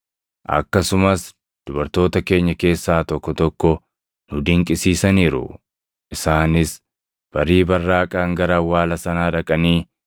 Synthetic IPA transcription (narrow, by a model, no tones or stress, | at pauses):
ʔɐ̰kːɐsʊmɐs | d̪̥ʊbɐɾt̪o̞ːt̪ɐke̞ːɲːɐke̞ːsːaːt̪ɔkːɔt̪ɔkːɔ | nʊd̪ɪŋkʼɪsiːsɐniːɾʊ̰ | ʔɪsaːnɪs | b̥ɐɾiːbɐrːaːkʼaːŋɡɐɾɐwaːlɐsɐnaːᶑɐkʼɐniː